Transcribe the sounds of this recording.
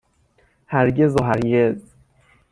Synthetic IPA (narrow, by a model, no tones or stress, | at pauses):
hæɾɟe̞zɒːɦæɾɟez